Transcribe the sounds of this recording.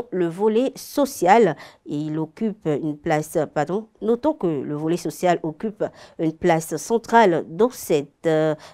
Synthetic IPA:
ləvɔlɛsɔsjaleilokʲypynplaspaʁd̪ɔ̃nɔt̪ɔ̃kələvɔlɛsɔsjalɔkʲypynplassɑ̃t̪χald̪ɑ̃sɛt̪

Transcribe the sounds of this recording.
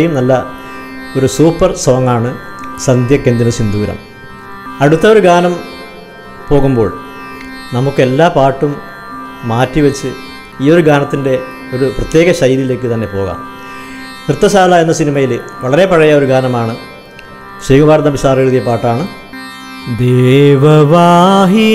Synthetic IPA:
jumnɐlːɐ | o̞ɾusuːpːɐrsɐʋɐŋːaːɳɨsɐnd̪jɐkːend̪inɐt͡ɕind̪uːɾɐ̰m | ɐɽut̪ːɐoɾuɡaːnɐm | po̞ːɣumbo̞̰ːɭ | nɐmukːɨelːaːpaːʈːumː | aːtːiʋɐt͡ɕːɨ | iːo̞ɾuɡaːnɐt̪ːinde̞ | o̞ɾuprɐt̪je̞ːɣɐɕɐjiɾijile̞ːkːɨt̪ɐnːe̞po̞ːɣa̰ːm | krɨt̪ːɐɕaːlaːenːɐsinimɐjilʋɐɭɐɾe̞pɐɻɐjao̞ɾuɡaːnɐmaːɳɨ | ɕiːɡubaːɾɐd̪ɐmiɕaːrɐɾuðijɐpaːʈːaːɳɨ | d̪eʋɐʋaːɦi

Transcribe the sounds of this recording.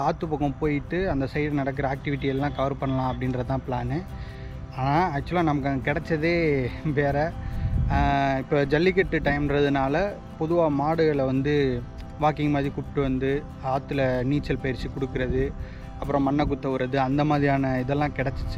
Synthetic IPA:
aːt̪ːɯpɐɣɐ̃poːjɪʈːɯɐnd̪ɐsɐɪɽnɐɽɐk̬ːɯɾɐaːk̚ʈɪʋɪʈːɪjɐlːãːkɐʋɐɾpɐɳːɐlãːɐpːɐɽɪnɾɐt̪ãːplaːnɯ | aːnaːɐt͡ʃːɯlãːnɐmɐkːãɐkɪɽɛt͡ʃːɐðeːʋeːɾɐ | ɪpːoːd͡ʒɐlːɪk̬ɛʈːɯʈɐɪmɾɐðɯnaːlɐ | pɔðʊʋaːmaːɽɯɣɐɭʋɐnd̪ɯ | ʋaːkɪŋmaːðɾikʊpʈːɯʋɐnd̪ɯ | aːt̪ːɯlɐniːt͡ʃːɐlpɐjɾt͡ʃːikɔɽɯkːɯɾɐðɯ | ɐpːɯɾɔ̃mɐnːɐk̬ʊt̪ːɐʋɯɾɐðɯɐnd̪ɐmaːðɾijaːnɐɪðɛlːãːkɪɽɛt͡ʃːɯt͡ʃːɯ

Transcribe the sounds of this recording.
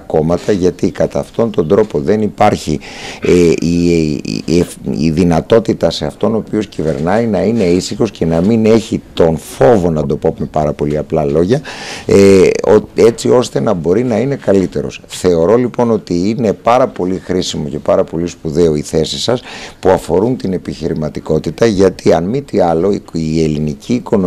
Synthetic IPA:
ko̞mɐt̪ɐʝɐt̪ikɐt̪ɐːft̪o̞nt̪o̞nd̪ɾo̞po̞ðe̞nipɐɾçi | ḭ | ḭðinɐt̪o̞t̪it̪ɐseɐft̪o̞no̞ːpio̞scive̞̰ɾnɐinɐine̞isixo̞sce̞nɐmine̞çit̪o̞nfo̞vo̞nɐd̪o̞po̞mepɐɾɐpo̞liɐplɐlo̞ʝɐ | oe̞t͡sio̞st̪e̞nɐbo̞ɾinɐine̞kɐlit̪e̞ɾo̞̰sθe̞o̞ɾo̞lipo̞no̞t̪iine̞pɐɾɐpo̞lixɾisimo̞ce̞pɐɾɐpo̞lispuðe̞oiθe̞sisɐspuɐfo̞ɾunt̪ine̞piçiɾimɐt̪iko̞t̪it̪ɐʝɐt̪ʰiɐnmit̪iɐlo̞iie̞linicʰiːko̞n

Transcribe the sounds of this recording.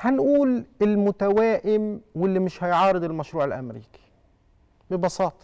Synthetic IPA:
hanʔuːlɪlmʊt̪awaːʔɪmwɪlːimɪʃhajʕɑːɾɨd̪ɪlmaʃɾuːʕɪlʔa̰mɾḭːki̥ | bɪbɑsɑːt̪ˤɑ̥

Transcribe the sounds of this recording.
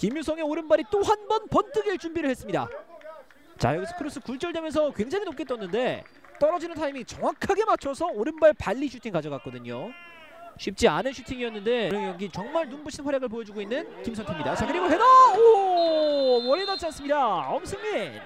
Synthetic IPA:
kimjusʰʌŋe̞oɾɯnbaɾit͈ohanbʌnpʌnt͈ʰɯɡeɭt͡ɕumbiɾɯɭhe̞s͈ɯmɲida̰ | t͡ɕa̰jʌɡisʰʌkʰɯɾos͈ʰɯkuɭt͡ɕ͈ʌɭde̞mjʌns̬ʰʌkwe̞ŋd͡ʑaŋinok͈ʰet͈ʌnːɯnde̞ | t͈ʌɾʌd͡ʑinɯntʰaimit͡ɕʌŋwakʰaɡe̞mat͡ɕʰʌsʰʌoɾɯnbaɭpaʎːiɕʰutʰiŋkad͡ʑʌɡak͈ʌdɯɲo | ɕʰip̚t͡ɕ͈ia̰nɯnɕʰutʰiŋiʌnːɯnde̞ɾɯŋjʌŋɡit͡ɕʌŋmaɭnumbuɕʰinɸwaɾjaɡɯɭp̬ojʌd͡ʑuɡoinːɯnkimsʰʌntʰemɲidat͡ɕakɯɾiɡoɦedao | wʌɾenat͡ɕ͈ians͈ɯmɲidaʌmsʰɯŋmi

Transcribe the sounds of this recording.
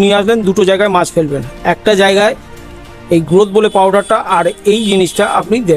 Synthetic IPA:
nieaʃlend̪uʈod͡ʑaeɡaemat͡ɕfelbenɛk̚ʈad͡ʑaeɡae | ejɡɾot̪̚bolepawɖaɾʈaʔaɾejd͡ʑiniʃʈaʔapnid̪e

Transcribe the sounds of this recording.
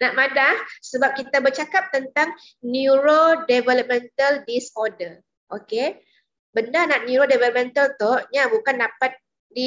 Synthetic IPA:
naʔmãdahsəbap̚kit̪abərt͡ʃakap̚t̪ənt̪aŋ | njuɾodɛvələp̚mɛ̃nt̪əldisɔdə | ʔoke | bəndanaʔnjuɾodɛvɛləp̚mɛ̃nt̪əlt̪ohɲabukandapat̪̚ | di

